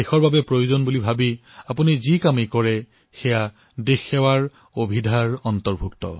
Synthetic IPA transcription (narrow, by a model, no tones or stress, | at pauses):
exɔɹbabɛpɹojuzonbulibʱabiapunizikamekɔɹɛ | xɛja | dexːɛwaɹ | obʱidʱaɹɔntɔɹbʱuktɔ̰